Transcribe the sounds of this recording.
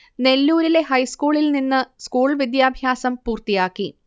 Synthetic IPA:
ne̞lːuːɾile̞ɦɐjskuːɭilninːɨskuːɭʋid̪jaːbʱjaːsɐmpuːrt̪ijaːkːi

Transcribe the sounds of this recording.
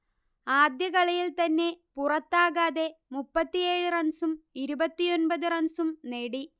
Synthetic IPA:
aːd̪jɐɣɐɭɐjilt̪ɐnːe̞purɐt̪ːaːɣaːðe̞mupːɐt̪ːijeːɻurɐnsumiɾubɐt̪ːijo̞nbɐðɨrɐnsumneɽi

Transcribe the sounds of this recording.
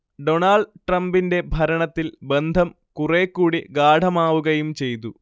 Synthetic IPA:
ɖoɳaːɭɖʈrɐmbinde̞bʱɐɾɐɳɐt̪ːilbe̞nd̪ʱɐm | kurekːuːɽiɡaːɖʱɐmaːʋuɣɐjumt͡ɕe̞jt̪u

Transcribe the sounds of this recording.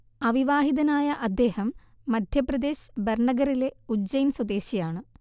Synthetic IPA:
ɐʋiʋaːɦiðɐnaːjɐʔɐd̪ːe̞ːhɐmː | ɐd̪ʱjɐprɐd̪e̞ːɕberɳɐɡɐɾile̞ud͡ʑɐjnswɐd̪eːɕijaːɳɨ

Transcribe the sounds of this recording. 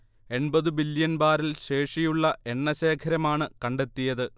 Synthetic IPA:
e̞ɳbɐðɨbiljɐnbaːɾilɕe̞ːʂijuɭːɐʔe̞ɳːɐɕe̞ːkʰɐɾɐmaːɳɨkɐɳɖe̞t̪ːijɐðɨ

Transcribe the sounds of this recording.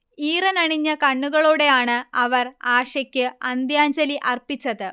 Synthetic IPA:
iːrɐnɐɳiɲːɐkɐɳːuɣɐɭuːɽe̞jaːɳɨɐʋɐraːʂɐkʲːɨɐnd̪jaːɲd͡ʑɐliʔɐrpit͡ɕːɐðɨ

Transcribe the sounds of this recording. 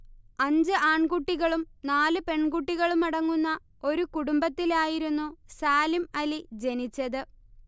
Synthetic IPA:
ɐɲd͡ʑɨʔaːɳkuʈːiɣɐɭumnaːlɨpe̞ɳkuʈːiɣɐɭumɐɽɐŋːunːɐ | o̞ɾukuɽumbɐt̪ːilaːjiɾunːusaːlimɐlid͡ʑe̞nit͡ɕːɐðɨ

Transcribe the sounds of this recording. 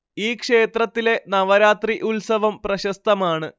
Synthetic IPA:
iːkʂe̞ːt̪rɐt̪ːile̞nɐʋɐɾaːt̪riʔulsɐʋɐmprɐɕɐst̪ɐmaːɳɨ

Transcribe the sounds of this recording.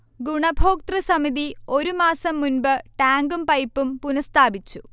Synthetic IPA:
ɡuɳɐbʱoːk̚t̪rɨsɐmiðio̞ɾumaːsɐmːunbɨʈaːŋɡumpɐjpːumpunɐst̪ʰaːbit͡ɕːu

